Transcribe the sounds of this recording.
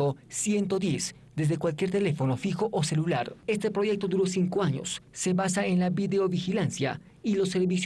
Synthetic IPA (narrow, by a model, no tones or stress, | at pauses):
osje̞nt̪o̞ðje̞s | d̪e̞zðe̞kwalk̬jeɾt̪e̞le̞fo̞no̞fixo̞ʔose̞lulaɾe̞st̪e̞pɾo̞ʝe̞k̚t̪o̞d̪uɾosiŋkoaɲo̰sːe̞βasaenlaβiðeoβixilansja̰ | ilo̞sːe̞ɾβis